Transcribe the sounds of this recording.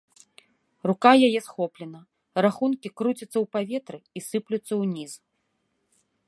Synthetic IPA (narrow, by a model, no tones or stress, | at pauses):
rukajajɛsxɔplʲɛnɐ | raxunkʲikɾut͡sʲɐt̪sːɐwpavʲɛt̪ɾɨisɨplʲut̪sːɐwnʲiz